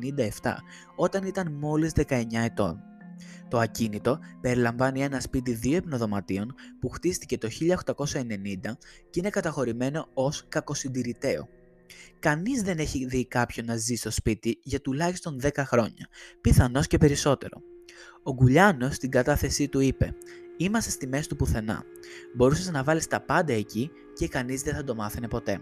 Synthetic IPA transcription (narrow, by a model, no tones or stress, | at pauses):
nind̪ɐe̞ft̪ɐ̰ | o̞t̪ɐnit̪ɐnmo̞lizðe̞kɐe̞ɲɐe̞t̪o̞̰n | t̪o̞ɐcinit̪o̞pe̞ɾilɐɱvɐnie̞nɐspit̪̬iðioepno̞ðo̞mɐt̪io̞npuxt̪ist̪ice̞t̪o̞çiʎɐoxt̪ɐko̞sɐe̞ne̞nind̪ɐceine̞kɐt̪ɐxo̞ɾime̞no̞oskɐko̞sind̪iɾit̪e̞o̞̰ | kɐnizðe̞ne̞çiðikɐpço̞nɐzist̪o̞spit̪iʝɐt̪ulɐçist̪o̞nðe̞kɐxɾo̞ɲɐ̰piθɐno̞sce̞pe̞ɾiso̞t̪e̞ɾo̞̰o̞ɡuʎɐno̞st̪iŋɡɐt̪ɐθe̞sit̪uipe̞̰imɐst̪est̪ime̞sit̪upuθe̞nɐ̰ | bo̞ɾuseznɐvɐlist̪ɐpɐnd̪ɐe̞ci | ce̞kɐnizðeθɐd̪o̞mɐθene̞po̞t̪e̞̰